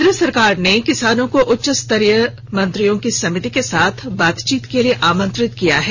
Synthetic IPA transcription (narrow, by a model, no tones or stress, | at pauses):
d̪ɾəsɐɾkaːɾnekɪsaːnõkoʔʊtːʃəst̪ɐɾjə | mɐ̃nt̪ɾijõkisɐmɪt̪ikesaːt̪ʰbaːt̪t͡ʃiːt̪kelieʔaːmə̃nt̪ɾɪt̪kija̰ɦɛː